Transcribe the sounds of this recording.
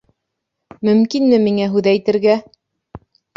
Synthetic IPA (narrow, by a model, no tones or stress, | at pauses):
mɵ̆mkinmɘmiŋæɦʉðæjt̪ɘ̆ɾɡæ